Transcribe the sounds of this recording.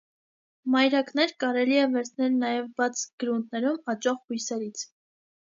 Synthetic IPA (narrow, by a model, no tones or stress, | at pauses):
mɑjɾɑknɛɾkɑɾɛliɛvɛɾt͡sʰnɛlnɑjɛvbɑt͡sʰɡ̥əɾunt̪̚ʰnɛɾumɑt͡ʃɔʁhujsɛɾit͡sʰ